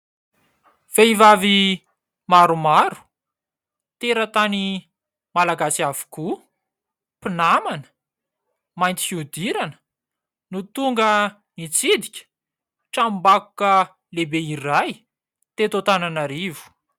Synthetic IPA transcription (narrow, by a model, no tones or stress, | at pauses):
v̥eivavi | maɾumaɾu̥ | t̪eɾət̪ani | malaɡasiavu̥ku | pinamanə̥ | majnt̪i̥fiud̪iɾanə̥ | nut̪uŋɡə | nit͡sid̪ikʲə̥ | ʈ͡ʂambaku̥kə | lebeiraj | t̪et̪ot̪ananaɾivu̥